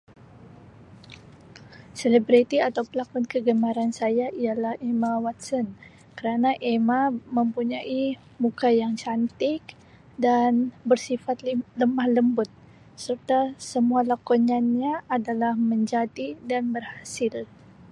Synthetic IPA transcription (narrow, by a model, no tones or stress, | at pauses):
selebɾit̪iat̪awpəlakɔnkəɡəmaɾansajaʔijalahemawat̪̚sɔn | kəɾanaʔemaməmpuɲaʔi | mukajaŋt͡ʃant̪ɪk | danbərsifat̪ləmahləmbʊt̪̚ | sərt̪asəmualakɔɲanɲaːdalahməɲd͡ʒadidanbərhasɪl